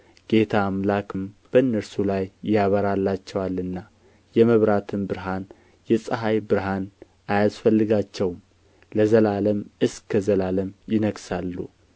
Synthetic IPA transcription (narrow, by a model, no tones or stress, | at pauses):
ɡ̥e̞t̪ʰaːmlakmb̥əɨnːəɾsulajjaβəɾalːat͡ʃːɛwalːɨnːa | jɛməβɾat̪ʰɨnbɨɾɦan | jɛsʼəɦajbɨɾɦan | ajasfəlːɨɡat͡ʃːɛwm | ləzəlaləmɨskːəzəlaləmjɪnəɡsalːu